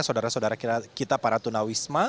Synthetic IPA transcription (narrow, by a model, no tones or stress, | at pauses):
sadaɾasaodaɾakiakit̪apaɾat̪unawisma